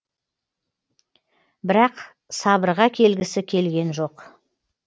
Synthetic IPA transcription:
bɪɾɑq | sɑbəɾʁɑkʲʰe̞lɡʲɪsɪkʲʰe̞lɡʲe̞nʒo̞q

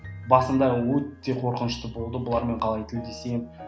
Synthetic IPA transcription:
bɑsəmd̪ɑwɵt̪ːe̞qʰo̞ɾqənəʃt̪əbo̞lˠd̪əbʊlˠɑɾme̞ɴqʰɑlˠɑjk̪ʲʰeld̪e̞sem

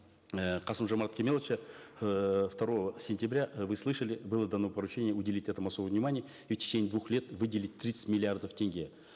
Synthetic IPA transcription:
əqʰɑsɨmʐɐmaɾat̪̚kʲʰemelˠət͡ʃə | ft̪ɐɾo̞vəsʲɪnʲtʲɪbɾʲaʔvɨslˠɨʂəlʲɪbɨlˠəd̪ɐno̞pɐɾʊt͡ɕenʲɪjəudʲɪlʲitʲɛt̪əmɐsobəvnʲɪmanʲɪjə | iftʲɪ̥t͡ʃenʲɪjd̪vuxlʲe̞t̪vɨdʲɪlʲɪt̚ʲt̪ːɾʲit̪sɨ̥tʲmʲɪlʲɪard̪əftʲeŋʲɡʲije

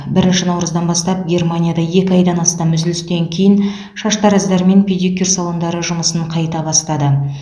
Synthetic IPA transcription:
bɪɾɪnʃɪnɑwɾəzd̪ɑnbɑst̪ɑp̚ɡʲe̞rmanʲijad̪ɑje̞kʲɪɑjd̪ɑnɑst̪ɑmmʏzd̪ɪlɪst̪e̞ŋkʲʰe̞jɪn | ʃɑʃt̪ɑɾæzd̪ɑɾme̞npʲed̪ikʲersalˠo̞nd̪ɑɾəʒʊməsəɴqʰɑjt̪ɑbɑst̪ɑd̪ə

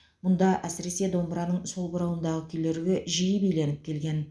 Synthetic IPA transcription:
mʊnd̪ɑʔæsɪɾe̞se̞d̪o̞mbɾɑnəɴso̞lˠbəɾɑwənd̪ɑʁəkʲʰɵleɾɪɡʲɪʒijəbejle̞nɪp̚kʲʰe̞lɡʲe̞n

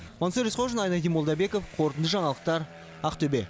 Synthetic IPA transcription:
mansoɾʲisqoʒənɑjnɑd̪ijmo̞lˠd̪ɑbe̞kofqʰoɾt̪ənd̪əʒɑɴɑlˠəq̚t̪ɑɾ | ɑqt̪ʰɵbe̞

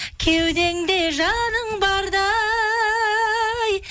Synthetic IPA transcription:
kʲʰewd̪e̞ŋd̪e̞ʒɑnəɴbɑɾd̪ɑ | j

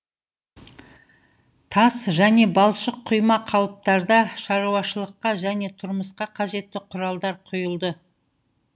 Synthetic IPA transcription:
t̪ʰɑsʒæne̞bɑlˠʃəqʰːʊjmɑqʰɑwəp̚t̪ɑɾd̪ɑʃɑɾuɑʃəlˠəqːɑʒæne̞t̪ʰʊɾməsqɑqʰɑʒe̞t̪ːɪqʰʊɾɑlˠd̪ɑɾqʰʊjəlˠd̪ə

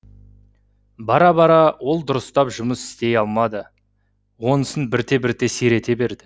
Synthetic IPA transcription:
bɑɾɑbɑɾɑwo̞lˠd̪ʊɾəst̪ɑpʒʊməsɪ̥st̪e̞jɑlˠmɑd̪ə | wo̞nəsənbɪɾt̪e̞bɪɾt̪e̞seɾe̞t̪e̞be̞ɾd̪ɪ

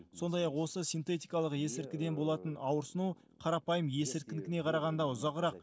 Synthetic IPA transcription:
so̞nd̪ɑjɑqwo̞səsijnt̪e̞t̪ijkɑlˠəqje̞sɪɾkʲɪd̪e̞nbo̞lˠɑt̪ənɑwəɾsənu | qʰɑɾɑpɑjəmje̞sɪɾkʲɪnɪkʲɪne̞qʰɑɾɑʁɑnd̪ɑʊzɑʁɾɑq

